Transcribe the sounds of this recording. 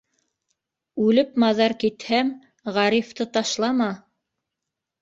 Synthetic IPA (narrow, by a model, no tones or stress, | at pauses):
ʉlɘpmɑðɑɾkit̪hæm | ʁɑɾift̪ɤt̪ɑʃlˠɑmɑ